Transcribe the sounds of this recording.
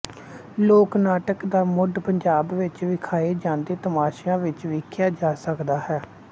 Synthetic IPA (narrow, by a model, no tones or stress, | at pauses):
loːknaːʈəkd̪aːmʊɖpəɲd͡ʒaːbʋɪt͡ʃʋɪkʰaːeːd͡ʒãːnd̪eːt̪əmaːʃjãːʋɪt͡ʃʋɪkʰjaːd͡ʒaːsəkd̪aːhɛː